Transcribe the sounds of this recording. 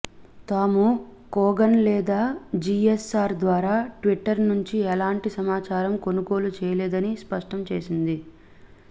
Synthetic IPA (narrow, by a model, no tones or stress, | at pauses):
t̪aːmukɔːɡɐnlɛːd̪aːd͡ʒiesaːɾd̪ʋaːɾaːʈʋiʈːɐɾnuɲt͡ʃiɛlaːɳʈisɐmaːt͡ʃaːɾɐmko̞nuko̞ːlut͡ʃɛːjɐlɛːd̪ɐnispɐʂʈɐmt͡ʃe̞ːsind̪i